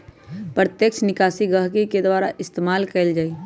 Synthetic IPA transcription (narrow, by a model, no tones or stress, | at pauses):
pɾət̪jəkʃnɪkaːsiɡəɦkiked̪waːɾaʔɪst̪eːmaːlkəld͡ʒaːi